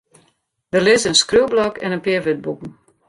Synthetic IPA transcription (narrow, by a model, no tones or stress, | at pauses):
d̥ərlɪzəənskrywblɔkɛnənpɪʋɪt̚bukn̩